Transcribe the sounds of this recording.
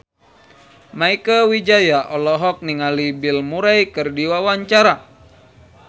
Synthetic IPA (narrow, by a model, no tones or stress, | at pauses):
maikəwid͡ʒajaʔɔlɔɦɔk̚niŋalibilmuɾajkɨrdiwawaɲt͡ʃaɾa